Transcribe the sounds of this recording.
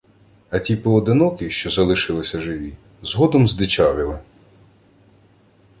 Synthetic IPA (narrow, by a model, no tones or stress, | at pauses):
ɐtʲipɔːd̪ɪnɔkɪʃt͡ʃɔzɐlˠɪʃɪlˠɪsʲɐʒɪʋʲi | zɦɔd̪ɔmzd̪ɪt͡ʃɑʋʲɪlˠɪ